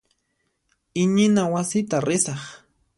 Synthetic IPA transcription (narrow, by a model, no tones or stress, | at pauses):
ɪɲɪnawasɪt̪aɾɪsɑχ